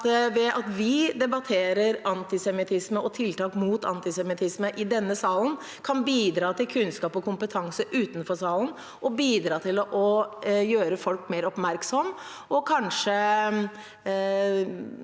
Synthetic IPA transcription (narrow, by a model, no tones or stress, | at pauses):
ʋɛʔɑt̪ʋɪd̪ɛbɑt̪ʰeːɾəɾɑnt̪ɪsɛmɪt̪ʰɪsməʔɔt̪ʰɪlt̪ɑːkmuːt̪ʰɑ̰nt̪ɪsɛmɪt̪ʰɪsməʔɪd̪ɛnːəsɑːlən | kʰɑnbiːd̪ɾɑːt̪ɪlkʰʉnskɑːpɔkʰʊmpət̪ʰɑŋsəʔʉːt̪n̩fɔʂɑːlən | ʔɔbiːd̪ɾɑːt̪ʰɪlɔʔɔjøːɾəfɔlkmeːɾɔpmæɾksɔmː | ɔkʰɑnʂə